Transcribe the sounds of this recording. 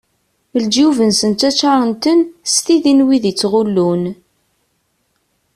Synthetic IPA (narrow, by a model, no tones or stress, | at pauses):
ld͡ʒuvənsənt̪ːæt͡ʃːaɾˤənt̪ənst̪iðinwiðit͡sːʁulːun